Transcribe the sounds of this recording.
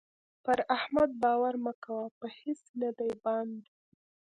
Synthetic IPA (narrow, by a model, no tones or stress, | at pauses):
pəɾahmad̪̚bɑwaɾməkawapəhɪsnəd̪ajbɑnd̪